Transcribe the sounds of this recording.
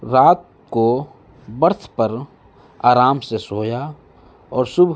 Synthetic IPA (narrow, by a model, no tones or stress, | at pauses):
ɾaːt̪̚ | ko | bəɾt̪ʰpəɾ | aːɾaːmsesoːja | ɔːɾsʊb